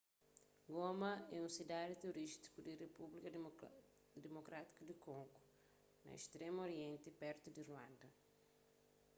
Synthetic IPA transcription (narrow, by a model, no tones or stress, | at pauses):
ɡomɐɛũsid̪ad̪it̪eoɾiʃt̪i̥kud̪irepublikɐ | d̪emokɾat̪i̥kɐd̪ikõŋɡo | nɐ̰ḛst̪ɾemoɾiẽnt̪ipɛɾt̪ud̪irwãnd̪ɐ